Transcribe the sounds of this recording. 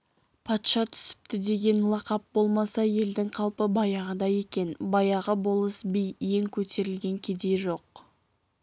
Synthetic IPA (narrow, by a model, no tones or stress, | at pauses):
pʰɑt̪ʃɑt̪ʰʏ̥sɪ̥p̚t̪ɪd̪e̞ɡʲe̞nlˠɑqɑp̚bo̞lˠmɑsɑje̞ld̪ɪŋqʰɑlˠpəbɑjɑʁəd̪ɑje̞kʲe̞nbɑjɑʁəbo̞lˠəsbijːeŋkʲʰɵt̪ʰe̞ɾɪlɡʲe̞ŋkʲʰe̞d̪e̞ʒo̞q̚